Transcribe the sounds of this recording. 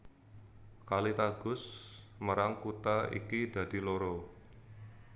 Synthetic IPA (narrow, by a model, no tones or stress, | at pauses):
kalit̪aɡ̥ʊs | məɾaŋkut̪aḭkida̤d̥i̤loɾo